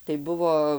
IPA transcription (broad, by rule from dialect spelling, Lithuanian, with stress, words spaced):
tɐɪ ˈbʊʋoː